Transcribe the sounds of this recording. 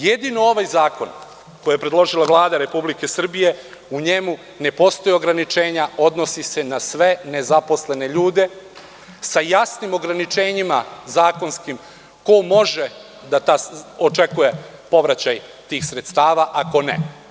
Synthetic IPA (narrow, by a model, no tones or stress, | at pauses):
je̞d̪inoo̞ʋajzaːko̞n | ko̞jijepɾe̞d̪lˠo̞ʒilaʋlˠaːd̪aɾe̞publike̞sr̩bije̞ | uɲe̞mu | ne̞po̞st̪o̞jio̞ɡɾanit͡ʃe̞ːɲao̞d̪no̞sise̞nasʋe̞ne̞zapo̞sle̞ne̞ʎuːd̪e̞ | sajasnimo̞ɡɾanit͡ʃe̞ːɲimazaːko̞nskim | ko̞mo̞ʒe̞ | d̪at̪aːot͡ʃe̞kuje̞po̞ʋɾat͡ɕajt̪iːxsɾe̞t̪st̪aːʋaʔako̞nḛ